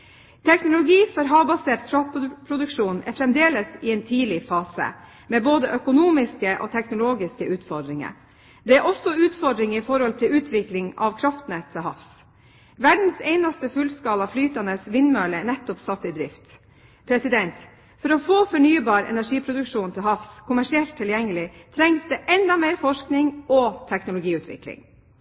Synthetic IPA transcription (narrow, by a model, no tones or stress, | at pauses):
t̪ʰɛknʊlʊɡiːfɔɾɦɑːbɑseːʈkʰɾɑft̪̚pʰɾʊd̪ʉkʂuːnɛ̰fɾɛmd̪eːləsɪɛɪnt̪ʰiːlɪfɑːsə̰ | mɛboːd̪əʔœkʊnuːmɪskəʔo̰ːt̪ʰɛknʊloːɡɪskəʉːt̪fɔɖ̪ɾɪŋə̰ɾ | d̪ɛæɾʔɔsːɔʉːt̪fɔɖɾɪŋifɔɾhɔlt̪ʰɪlʉːt̪ʰʋɪklɪŋɑ̰ʋkʰɾɑft̪nɛt̪ʰːəɦɑ̰fs | ʋæɖn̩seɪnɑst̪əfʉlskɑːlɑflyːt̪ɑnəsʋɪnmøːlənɛt̪ːɔpsɑt̪ːɪd̪ɾɪft̪ | pʰɾɛsɪd̪ɛnt̪ | fɔɾɔfoːfɔɳyːbɑːɾɛ̰næʂiːpʰɾʊd̪ʉkʂuːnt̪ʰɪlɦɑfskʰʊmæʂɪɛlt̪ʰːɪljɛŋːəlɪt̪ʰɾɛŋsd̪ɛʔɛnd̪ɑmeɪɾfɔʂknɪŋɔt̪ʰɛknʊlʊɡiːʉːt̪ʰʋɪ̰klɪ̰ŋ